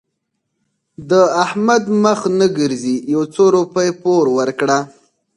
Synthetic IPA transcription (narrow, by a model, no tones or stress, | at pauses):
d̪əahmad̪məxnəɡəɾzijawt͡soɾupəjpoɾwəɾkɽa